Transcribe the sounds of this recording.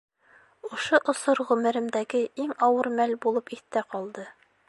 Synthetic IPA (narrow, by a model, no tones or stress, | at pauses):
ŏʃoʔŏsoɾʁʉmɘ̆ɾɘ̆md̪æɡɘiŋɒwɤɾmælbulˠɤpit̪ːæqɒlˠd̪ɤ